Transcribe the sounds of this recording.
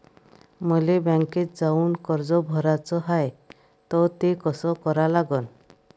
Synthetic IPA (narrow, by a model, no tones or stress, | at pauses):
mɔjlebɛŋket̪d͡ʒaunkɔɾd͡ʒɔbʱɔɾat͡ʃɔɦaj | t̪ɔt̪ekɔsɔkɔɾalaɡɔn